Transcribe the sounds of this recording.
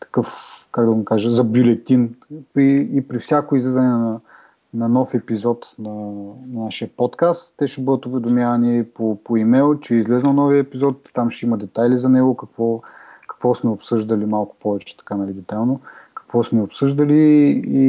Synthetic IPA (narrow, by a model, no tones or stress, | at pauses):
t̪ɐ̥kɤfkaɡd̪ɐmikaʒɐzɐbjʊlɛt̪inpiːpɾifsʲakoizlɛzɐnɛnɐ | nɐnɔfɛpizɔt̪nɐnaʃiɐpɔt̪kast̪ːɛʃɛbɤd̪ət̪ʊvɛd̪omʲjavɐniipopoimɛlˠt͡ʃɛizlɛznɐlˠnɔviəɛpizɔt̪ːamʃɛimɐd̪ɛt̪ajlizɐnɛɡʊkɐkvɔkɐ̥kvɔsmɛopsɤʒd̪ɐlimalˠkʊ̥pɔvɛt͡ʃɛ̥t̪ɐ̥kanɐlid̪ɛt̪alˠnokɐ̥kvɔsmɛopsɤʒd̪ɐliː